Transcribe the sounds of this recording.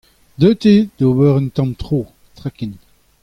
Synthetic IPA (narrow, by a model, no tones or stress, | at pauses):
d̪øːt̪ed̪̥obœʁənt̪ɑ̃mt̪χoː | t̪ʁakin